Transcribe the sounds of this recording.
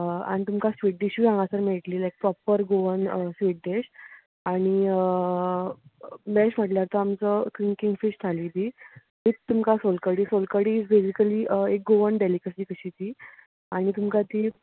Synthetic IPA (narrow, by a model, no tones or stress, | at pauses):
a̰ɽ̃it̪umkasʋiʈ̚ɖeɕiɡãŋɡãsəɾmeɭʈliːlajk̚pɾɔpəɾɡoʋənəsʋiːʈ̚ɖeɕ | aɽ̃iə | bɛɕm̤əʈljaɾt̪əamt͡səkɾiŋkiŋɡfiɕt̪ʰaliːd̪iː | bit͡st̪ːumkasolkəɽiːsolkəɽiːt͡sbed͡ʑikəliːəek̚ɡoʋənɖeliːkəsiːkəɕit̪iː | aɽ̃it̪umkat̪iː